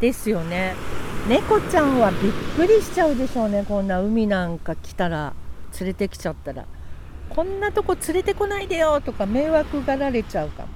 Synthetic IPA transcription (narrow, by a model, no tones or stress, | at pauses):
d̪̥e̞sɨjo̞ne̞ne̞ko̞t͡ɕãɰ̃βabʲikːɯ̟ɾʲiɕi̥t͡ɕaɯ̟d̪e̞ɕo̞ːne̞kõ̞nːaɯ̟mʲinãŋkakʲi̥t̪aɾa̰t͡sɨɾe̞t̪e̞kʲi̥t͡ɕat̪ːaɾa̰ | kʰõ̞nːat̪o̞ko̞t͡sɨɾe̞t̪e̞ko̞naid̪ajo̞t̪o̞kame̞ːβakɯ̟ɡaɾaɾe̞t͡ɕaɯ̟ka̰m